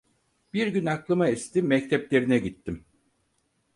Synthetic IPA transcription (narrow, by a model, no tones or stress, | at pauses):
b̥iɾɟynaklˠɯmaist̪imːɛct̪ʰɛplʲe̞ɾinɛɟit̪ʰːim